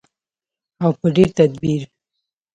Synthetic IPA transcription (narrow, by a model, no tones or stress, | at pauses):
awpəɖeɾt̪ad̪̚biɾ